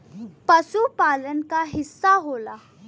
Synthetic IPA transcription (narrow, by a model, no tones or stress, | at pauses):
pəsuːpalənkaɦisːaɦola